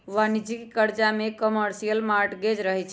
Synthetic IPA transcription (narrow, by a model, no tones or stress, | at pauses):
ʋanid͡ʒikkəɾd͡ʒamekəməɾsijəlmaɾʈɡed͡ʒɾəɦɛt͡ʃʰ